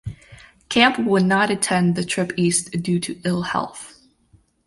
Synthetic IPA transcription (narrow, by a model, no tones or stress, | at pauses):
kʰæ̃mpwənəɾɨtʰɛ̃nðɨtʰɹ̥ɪpistd̥ʉɾɨɪlˠhɛ̰lˠθ